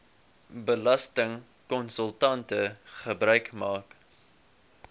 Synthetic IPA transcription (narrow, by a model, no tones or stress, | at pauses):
bəlɐstəŋ | kɔnsəlˠtɐntəχəbɾœɥkmɑːk